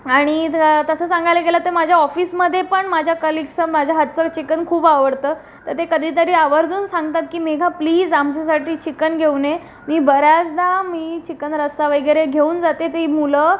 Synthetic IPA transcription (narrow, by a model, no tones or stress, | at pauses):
aɽ̃it̪əsəːsãŋɡʱajləkelət̪emad͡ʑʱjaɔfiːsməd̪ʱːjepəɳmad͡ʑʱjakəliksənmad͡ʑʱaɦat̪t͡sət͡ɕikənkʰuːbaʋəɽt̪əː | t̪əɾt̪ekəd̪ʱiːt̪̬əɾiːaʋəɾd͡zuːnsãŋɡt̪at̪kiːmeɡʱapliːd͡zamt͡ɕasaʈiːt͡ɕikənɡʱeune | miːbəɾjat͡sd̪amiːt͡ɕikənɾəst̪aʋəjɡɾeɡʱeuːnd͡zat̪et̪emulə